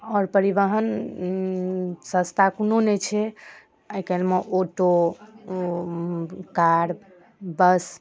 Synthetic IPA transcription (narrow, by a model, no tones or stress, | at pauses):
ɔːɾpəɾibəɦən | sə̃st̪ʰakunonɛt͡ʃʰɛ | əjkɛlmeʔoʈo | kaɽ | bəs